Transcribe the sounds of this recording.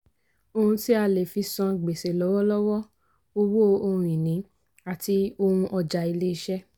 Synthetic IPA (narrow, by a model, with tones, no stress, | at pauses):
o˧hũ˧ti˦a˧le˨fi˧sã˧ɡ͡be˨se˨lɔ˨˦wɔ˦lɔ˦wɔ˦ | o˧wo˦o˧ũ˨ĩ˨nĩ˨˦ | a˨ti˧o˧hũ˧ʔɔ˧d͡ʒa˨˧i˧le˦i˧ʃɛ˦